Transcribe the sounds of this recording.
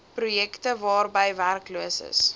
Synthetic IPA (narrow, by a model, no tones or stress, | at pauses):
prujɛktəvɑːrbəjværkluəsə̰s